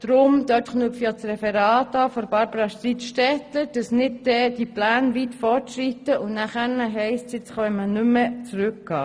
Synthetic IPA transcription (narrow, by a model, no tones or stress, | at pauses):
d̥ɾʊmd̥̪œːtχnuəfjɑt͡srɛfɛɾɑːt̪ɑːfɔɾbɑɾbəɾɑʃt̪ɾitʃtɛt̪ləɾd̥ɑsnɪd̚dɛːd̥iplæːnʋit̪fɔrtʃrit̪əʔʊnæχæːɾnəɦɛɪstsjɪt͡sχɔʋɛnmənʏmət͡sɾʉkɡ̥ɑː